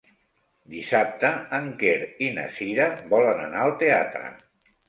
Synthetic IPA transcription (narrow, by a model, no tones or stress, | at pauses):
d̪isap̚t̪əːŋkeɾinə̰siɾəbɔlənənaəlˠt̪ea̰t̪ɾə̰